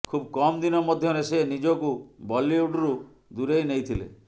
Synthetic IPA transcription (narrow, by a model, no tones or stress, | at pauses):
kʰubkɔmd̪inɔmɔd̪ʱjɔnesenid͡ʒokubɔlːiuɖuɾu | d̪uɾejnejt̪ʰilḛ